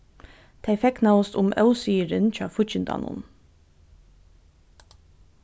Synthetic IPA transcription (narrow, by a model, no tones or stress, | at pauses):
t̪ʰeɪfɛknɑwst̪ʊmœ̰ʊsiːɾənt͡ɕɑ̰ːfʊçɪnd̪ɑ̰ːnʊ̰n